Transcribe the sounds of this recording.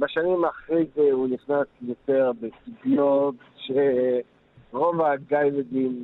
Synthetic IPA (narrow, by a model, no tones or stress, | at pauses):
baʃanimaːχʁejzeuniχnasjot̪e̞ʁbesibijot̪ | ʃe | ʁovaɡajled̪im